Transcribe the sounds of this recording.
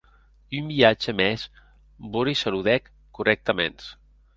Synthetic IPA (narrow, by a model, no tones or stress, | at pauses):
umbiad͡ʒəmɛs | boɾisaluðɛkː | urʔɛk̚t̪əmḛns